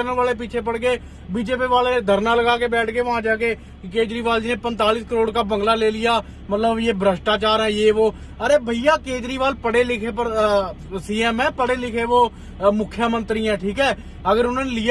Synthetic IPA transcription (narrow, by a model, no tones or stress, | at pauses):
əɾənʋaːleːp̬iːt͡ʃʰeːp̬əɽkeː | biːd͡ʒeːpiːʋaːld̪ʱəɾnaːləɡaːkeːbɛːʈʰkeːʋəɦãːd͡ʒaːkeː | keːd͡ʒɾiːʋaːld͡ʒiːnẽːpənt̪aːliːskəɾoːɽkaːbə̃ŋɡlaːleːlɪjaː | mət̪ləbjeːbʱɾəʃʈaːt͡ʃaːɾɦɛ̃ːjeːʋoː | əɾeːbʱəijaːkeːd͡ʒɾiːʋaːlpəɽeːlɪkʰeːpəɾ | siːɛːmɛ̃ːpəɽeːlɪkʰeːʋoː | mʊkʰːjəmə̃nt̪ɾiːɛ̃ːʈʰiːkɛː | əɡəɾʊnãːnelɪ